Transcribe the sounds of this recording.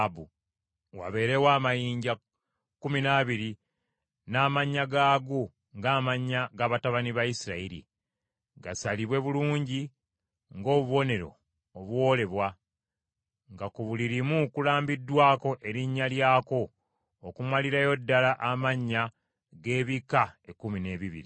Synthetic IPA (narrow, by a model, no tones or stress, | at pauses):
bu | wa̰βe̞ːɾe̞waːmajiːɲɟa | kuminaːβiɾi | naːmaɲːaɡaːɡu | ŋɡaːmaɲːaɡaβataβaniβajisiɾaiɾḭ | ɡasaliβwe̞βuluːɲɟi | ŋɡo̞ːβuβo̞ne̞ɾo̞̰ː | βwo̞ːle̞βwa | ŋɡakuβuliɾimukulaːmbidːwaːko̞ʔe̞ɾiɲːaljaːko̞ː | kumaliɾajo̞dːalaʔamaɲːa | ɡe̞ːβikaekumine̞ːβiβḭɾḭ